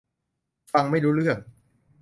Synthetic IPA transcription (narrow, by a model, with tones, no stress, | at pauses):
fa˧ŋma˥˩jɾuː˦˥ɾɯ˥˩əŋ